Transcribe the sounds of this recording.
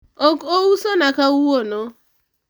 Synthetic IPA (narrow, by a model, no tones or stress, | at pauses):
okousonakauwono